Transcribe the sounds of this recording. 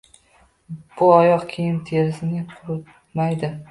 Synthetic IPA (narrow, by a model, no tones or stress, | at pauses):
b̥ʊɒjɒqkʲʰejɪnt̪ʰe̞ɾɪsɪnɪqʰʊɾʊt̪ | majd̪ɪ